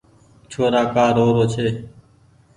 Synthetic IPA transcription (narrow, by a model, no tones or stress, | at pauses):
t͡ʃʰoːɾaːkaːɾoːɾoːt͡ʃʰeː